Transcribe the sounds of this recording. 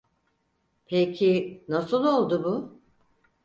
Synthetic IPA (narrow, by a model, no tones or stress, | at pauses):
pʰecʰinasɯlˠo̞lˠd̪ubʊ